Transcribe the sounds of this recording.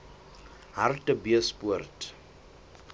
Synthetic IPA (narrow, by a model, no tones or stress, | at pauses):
ɦartəbiəspuərt